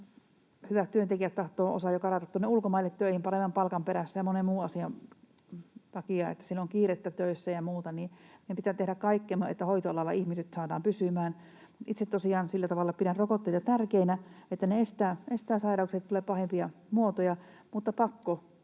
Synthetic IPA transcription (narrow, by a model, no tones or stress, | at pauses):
hyʋæt̪t̪yønt̪ekiæt̪t̪ɑht̪oːo̰sɑjokɑrɑt̪ɑt̪ːonːeulkomɑilːet̪t̪øihimpɑremːɑmpɑlkɑmpeɾæsːæjɑmonemuːɑsiɑ | t̪ɑkiɑḛt̪ːæ̥silːoŋkiːret̪ːæt̪øisːæjɑmuːt̪ɑniepit̪æt̪ehɾækkɑikːemḛt̪ːæhoit̪oɑlɑlːɑ̰ihmiset̪sɑːdɑ̰ːmpysymæːn | ʔit̪set̪t̪osiɑːnsilːæt̪ɑʋɑlːɑpiɾænrokot̪ːeit̪ɑt̪ærkeinæet̪ːæneest̪æːest̪æːsɑirɑukset̪t̪uleppɑhempiɑmuot̪ojɑ | mut̪ːɑpɑkːo